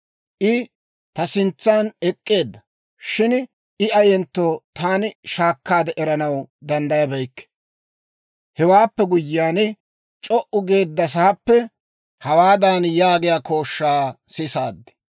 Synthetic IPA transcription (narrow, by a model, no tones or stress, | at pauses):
ʔɪ | t̪ɐsɪnt͡sːaːnɛkʼːe̞ːd̪ːɐ | ʃɪn | ɪɐjɛnt̪ːoːt̪aːnɪʃaːkːaːd̪ɛʔɛɾɐnɐwd̪ɐnd̪ɐjɐbɛjkːɛ̥ | hɛwaːpːɛɡʊjɪːaːn | t͡ʃʼɔʔʊɡe̞ːd̪ːɐs̬ɐhɐpːɛ | hɐwaːd̪anjaːɡɪjaːko̞ːʃːaːsɪsaːd̪ːɛ̥